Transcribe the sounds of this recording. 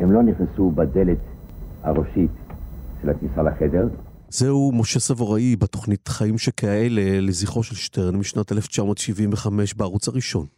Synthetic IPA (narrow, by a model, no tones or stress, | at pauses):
hemloniχnesubad̪elet̪haʁoʃitʃelaknisalaχedeʁ | zehumo̞ʃesavoʁaibetoχnitχaimʃekaeleleziχo̞ʃelʃteʁnmiʃnateleft͡ʃamo̞ːtʃivinveχame̞ʃbeaʁut͡saʁiʃo̞n